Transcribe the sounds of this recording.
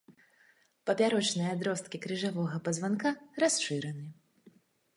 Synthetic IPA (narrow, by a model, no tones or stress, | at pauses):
pɐpʲaɾɔt͡ʂnɨjɐad̪ɾɔst̪̚kʲikɾɨʐavɔɣɐpɐzvankaɾasʂɨɾɛnɨ